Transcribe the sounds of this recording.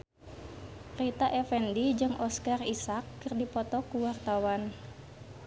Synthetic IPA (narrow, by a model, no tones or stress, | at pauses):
rit̪aʔɛfɛndid͡ʒɨŋʔɔskarisakːɨrdipɔt̪ɔkuwart̪awan